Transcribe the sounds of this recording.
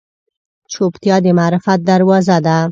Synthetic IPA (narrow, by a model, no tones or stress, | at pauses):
t͡ʃʰopt̪jɑd̪emaːɾɪfat̪̚d̪aɾwɑzad̪a